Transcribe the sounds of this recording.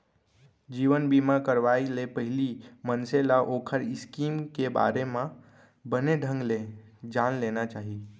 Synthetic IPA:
d͡ʒiːʋənbimãkəɾʋaːilepəɦɪlimənsẽlaʔoːkʰəɾɪskiːmkeba̰ːɾemã | bəneɖʱə̃ŋɡle | d͡ʒaːnleːnat͡ʃaːɦi

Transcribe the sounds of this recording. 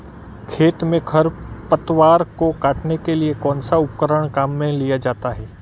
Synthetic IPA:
kʰeːt̪mẽkʰɐɾpət̪ʋaːɾkokaːʈnekeliekɔ̃ːnsaʊpkəɾəɽ̃kaːmːẽlijad͡ʒaːt̪aɦɛː

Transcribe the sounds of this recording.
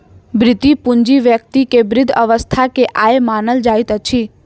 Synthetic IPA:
bɾɪt̪ipʊɲd͡ʒiʋjək̚t̪ikebɾɪd̪ʱəʋəst̪ʰakeʔaemaːnəld͡ʒaːit̪ət͡ʃʰiː

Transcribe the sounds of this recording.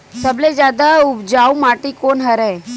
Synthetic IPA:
səbled͡ʒjad̪aʊbd͡ʒaumaʈikonɦəɾe

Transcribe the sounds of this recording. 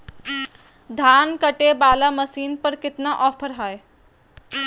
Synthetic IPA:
d̪ʱaːnkɐʈebaːlamɐsiːnpɐɾkɪt̪naʔɔːpʰəɾɦaːe

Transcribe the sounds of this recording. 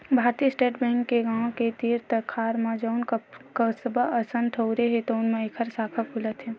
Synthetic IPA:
bʱaːɾt̪isʈeːʈʰbɛ̃ːŋkːeɡãːw̃ket̪iːɾt̪əkʰaːɾmad͡ʒəʊnkəsəbəəsə̃nʈʰəʊɾeɦɛt̪oʊnmẽeːkʰəɾsaːkʰəpʰulət̪ɦɛː

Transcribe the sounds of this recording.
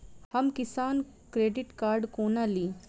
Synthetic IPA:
hɐmkɪsaːn | kɾeːɖɪʈkaːɾɖkoːnaliː

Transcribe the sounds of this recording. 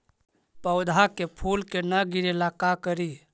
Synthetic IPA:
pəwd̪ʱakepʰulkenəɡiɾelakakəɾi

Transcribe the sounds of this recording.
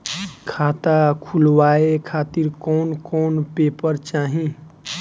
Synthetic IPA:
kʰaːt̪akʰulwaːekʰaːt̪iɾkɔːnkɔːnpeːpəɾt͡ʃaːɦĩ

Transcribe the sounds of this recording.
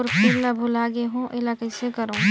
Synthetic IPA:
ɾpʰɪɾləbʱulaːɡeɦũʔelakəɪsekəɾo

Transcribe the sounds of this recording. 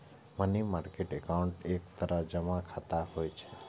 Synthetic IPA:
mənimaɾkeʈɛkauɳʈek̚t̪əɾad͡ʒəmãkʰat̪aɦojt͡ʃʰe

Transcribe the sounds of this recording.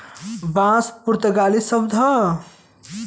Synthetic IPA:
bãːspuɾt̪əɡaːlisʌbd̪ʱʌ

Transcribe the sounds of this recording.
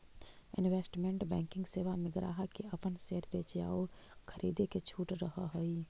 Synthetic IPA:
ɪ̰nʋeːsʈmẽɳʈbɛ̃ːŋkɪ̃ŋɡseːʋamɪɡɾa̰ːɦakeɐpənseːɾbeːt͡ʃja̰ːo | kʰəɾiːd̪eket͡ʃʰuːʈɾəɦaɦoːiː

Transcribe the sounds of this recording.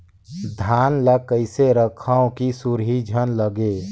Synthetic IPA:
d̪ʱaːnləkəɪseɾəkʰəõkisuɾɦid͡ʒʱənləɡe

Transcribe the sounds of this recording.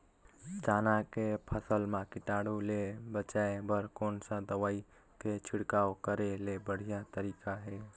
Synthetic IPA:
d͡ʒaːnakepʰəsəlmãkiʈaɽulebət͡ʃaebəɾkonsə̃d̪əwai | ket͡ʃʰiɽkaokəɾelebəɽ̤ijat̪əɾikaɦe

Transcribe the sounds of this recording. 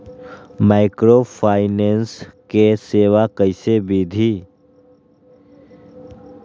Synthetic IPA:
maːɪkɾopʰaːɪneːnskeseːʋakəɪsebiːd̪ʱi

